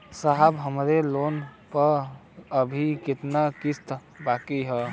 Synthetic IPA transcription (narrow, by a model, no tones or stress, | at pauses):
saɦəbɦəmɾelonpəɾ | əbʱikɪt̪nakist̪ | bakiɦə